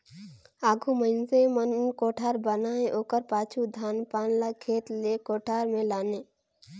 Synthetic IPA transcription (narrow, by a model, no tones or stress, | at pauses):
aːɡʱuməɪnsemənkoːʈʰaːɾbənaːẽʔoːkəɾpaːt͡ʃʰud̪ʱaːnpaːnlakʰeːt̪lekoːʈʰaːɾmẽlaːneː